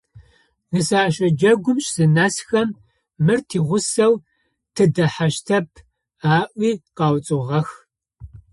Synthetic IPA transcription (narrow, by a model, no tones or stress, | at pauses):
nɨsaːɕʼɐd͡ʒɐɡʷʊmɕʼz̥ɨnasxɐm | mɨrtʰiːʁʷʊsɐw | tʰɨdɐħaʃtʰɐpʰ | aːʔʷiːqɑːwt͡sʼɨʁɐx